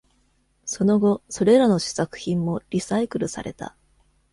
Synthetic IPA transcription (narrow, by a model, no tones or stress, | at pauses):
so̞no̞ɡo̞so̞ɾe̞ɾano̞ɕi̥sakɯ̟̥çĩmːo̞ɾʲisaikɯ̟ɾɯ̟sa̰ɾe̞̰t̪a̰